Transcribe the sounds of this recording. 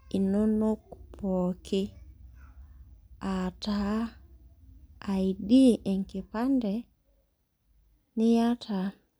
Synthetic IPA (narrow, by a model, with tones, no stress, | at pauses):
i˨nɔ˦no˦ku̥pʰɔ˨kʰi˦ | a˨ta˨˦˨ | i˨di˦ʔɛ˨ŋki˨pa˦ndɛ˨ | ni˦ja˦tʰa˨